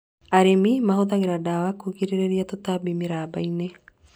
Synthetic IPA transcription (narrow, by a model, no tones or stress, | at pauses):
aɾimimaɦut̪aŋiɾadawakuɡiɾiɾeɾiat̪ot̪abimiɾabaine